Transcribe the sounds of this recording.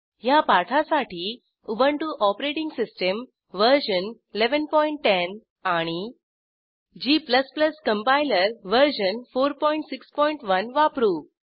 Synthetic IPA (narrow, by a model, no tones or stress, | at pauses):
japaʈʰasaʈʰiː | ubəɳʈuʔɔpɾeʈiŋɡsisʈəm | ʋəɾɕənileʋənpɔiɳʈːen | aɽ̃i | d͡ʑiːpləspləskəmpajləɾʋəɾɕənfoɾpɔiɳʈsikspɔiɳʈʋənʋapɾu